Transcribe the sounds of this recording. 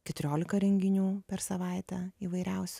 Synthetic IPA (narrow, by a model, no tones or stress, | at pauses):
kʲɛt̪ʊɾʲoːlʲɪkɐɾʲɛŋʲɡʲɪnʲuːpʲɛɾsɐʋɐˑɪt̪ʲɛiːʋɐɪɾʲɛʊsʲʊ